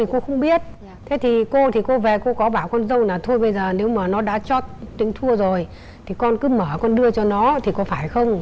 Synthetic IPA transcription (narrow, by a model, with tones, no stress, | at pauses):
i˨˩ko˧xə˧wŋ͡mɓi˦˥ət̚ | t̪ʰe˨˦t̪ʰi˨˩ko˧t̪ʰi˨˩ko˧ve˨˩ko˧kɔ˨˦ɓaː˧˩wkɔ˧nzə˧wnaː˨˩t̪ʰo˧jɓə˧jzəː˨˩ne˨˦wmaː˨˩nɔ˨˦ɗa̰ː˧˥t͡ɕɔ˦˥t̚t̪ï˧˨˦ŋ̟t̪ʰu˧əzo˨˩j | t̪ʰi˨˩kɔ˧nkɨ˨˦məː˧˩kɔ˧nɗɨ˧ət͡ɕɔ˧nɔ˨˦t̪ʰi˨˩kɔ˨˦faː˧˩jxə˧wŋ͡m